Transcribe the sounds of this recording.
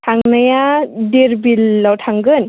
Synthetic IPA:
tʰaŋnajadiɾbilːawtʰaŋɡɯn

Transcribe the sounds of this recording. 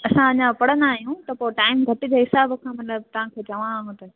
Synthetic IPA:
ɐsãɐɲãpɐɽə̃nd̪aːɦijũt̪ɐpoɪʈaːɪmɡʱɐʈɪd͡ʑoːɦɪsaːbkʰãːmɐt̪ləb̚t̪ɐʋ̤ãkʰeːt͡ɕɐʋãːɦjũt̪ɐ

